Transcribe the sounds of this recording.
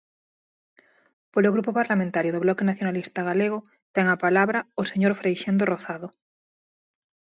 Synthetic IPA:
poloɣɾupopaɾlamẽnt̪aɾjoð̞oβlɔkenaθjonalist̪aɣ̞aleɣ̞o | t̪ɛŋapalaβɾaoseɲoɾfɾejʃend̪oroθaðo

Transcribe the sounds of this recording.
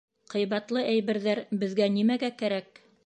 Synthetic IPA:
qɤ̆jβɑt̪lˠɤʔæjβɘ̆ɾðæɾbɘ̆ðɡænimæɡækæɾæk̚

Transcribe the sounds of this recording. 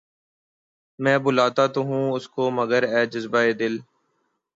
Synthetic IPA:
mɛ̃ːbʊlaːt̪aːt̪oɦũːʊskoːməɡəɾɛːd͡ʒəzbaːeːd̪ɪl

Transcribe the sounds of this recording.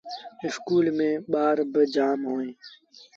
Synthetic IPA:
ɪskuːlmẽːɓaːɾbəd͡ʒaːmɦoːẽː

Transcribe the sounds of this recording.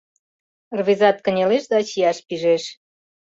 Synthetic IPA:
rβizɑt̪̚kə̆nʲeleʃd̪ɑt͡ɕijɑʃpiʒeʃ

